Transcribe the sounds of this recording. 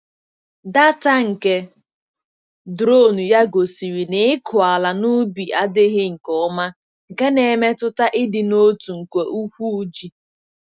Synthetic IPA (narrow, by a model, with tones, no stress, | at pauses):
da˦ta˦ŋ̩˨ke˨ | dɾo˦˨nu˨ja˦ɡo˨si˨ɾi˨ne˨˦ɪ˦kʰʊ˨a˨la˨nʊ˦bi˨ʔa˦dɪ˦ɦɪ˦ŋ̩˨kɔ˨˦ma˦ | ŋ̩˨ke˦ne˨me˦tʊ˦ta˦ʔɪ˦dɪ˨no˦tu˨ŋ̩˨kʷe˨ʔu˦kʷu˦u˦d͡ʒi˨